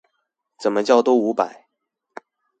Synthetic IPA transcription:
t͡sə˨˩mə˦t͡ɕjɑ˥˧ʊt̪o˥ʊu˧˥pa˨˩˦ɪ

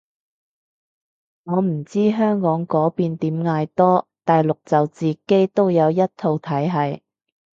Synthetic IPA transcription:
ŋɔː˨˧m̩˨˩t͡siː˥ɦœː˥ŋkɔː˨˥ŋkɔː˨˥piː˧nt̪iː˨˥mŋaː˧jt̪ɔː˥t̪aː˨jlʊ˨k̚t͡sɐ˨wt͡siː˨˩ke˥jt̪o˥wjɐ˨˧wjɐ˥t̚t̪ʰo˧wt̪ʰɐ˨˥jɦɐ˨j

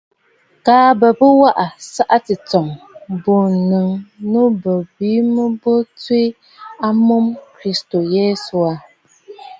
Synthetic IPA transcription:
kaː˨˦bə˨bɨ˦wa˦ʔa˨sa˦ʔa˦tɨ˨t͡sɔ˨ŋ | bo˨nɨ˨ŋnu˦bə˨biː˨˦mɨ˦bo˦ti˦ | a˦mo˦mkɾi˦sto˨jɛ˦su˨a˨

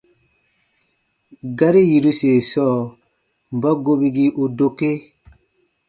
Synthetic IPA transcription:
ɡa˦ɾi˦ji˨ɾu˦se˨sɔː˦˨ | m̩˨ba˦ɡo˦bi˦ɡi˦ʔo˨do˦ke˦

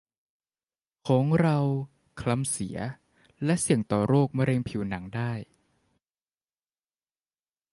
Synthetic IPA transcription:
kʰɔː˩˦ŋɾa˧w | kʰla˦˥msi˨˩˦ɐ | lɛ˦˥ʔsi˨˩əŋt̪ɔː˨˩ɾoː˥˩k̚ma˧ɾe˧ŋpʰiː˩˦wna˩˦ŋdaː˥˩j

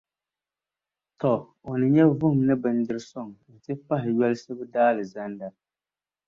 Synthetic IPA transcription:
tɔ˨ | o˨nɨ˨ɲɛ˦vʊ˦hʊ˨mnɨ˦bɨ˨n˦dɨ˦ɾɨ˦sɔ˦˨ŋlɨ˨tɪ˦pa˦ɦɪ˨ɥɛ˦lɨ˦sɨ˦bɨ˦daː˦lɨ˨za˦nda˦

